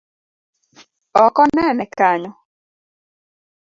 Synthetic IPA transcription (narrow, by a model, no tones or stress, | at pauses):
ɔkɔnɛnɛkaɲɔ